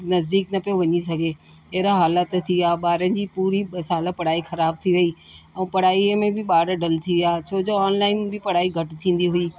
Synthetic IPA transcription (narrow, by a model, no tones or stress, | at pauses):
nɐzd̪iːknɐpijoʋɐɲisɐɡʱe | ɐɦɾaɦaːlət̪t̪ʰiaːɓaːɾənɪ̆d͡ʑiːpuːɾiɓɐsaːləpɐɽ̤aːixɐɾaːb̚t̪ʰiʋɐiː | ɛ̃ːpɐɽ̤aːimẽbɪɓaːɽɖɐlt̪ʰiʋaːt͡ɕʰoːd͡ʑoːaːnlaːɪnbɪpɐɽ̤aːiɡʱɐʈɪt̪ʰĩːn̆d̪iɦʊiː